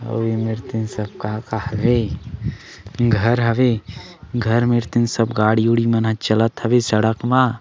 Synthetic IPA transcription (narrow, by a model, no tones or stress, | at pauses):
ɐ̰wemeɾt̪ɪnsɐb̚kaːkahɐʋe | ɡʱɐɾɦɐʋe | ɡʱɐɾmeɾt̪ɪnsəbɡaːɽiuɽimɐnɦat͡ʃɐlət̪ɦɐʋesɐɽəkmaː